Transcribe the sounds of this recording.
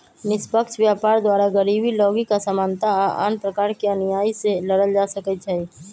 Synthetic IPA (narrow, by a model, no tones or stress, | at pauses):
nɪspəkʃʋjaːpaːɾd̪waːɾaɡəɾiːbilɔːɡikasəmaːnt̪aʔa̰ːnpɾəkaːɾkiɐnijaːiselɐɽəld͡ʒaːsəkət͡ʃʰai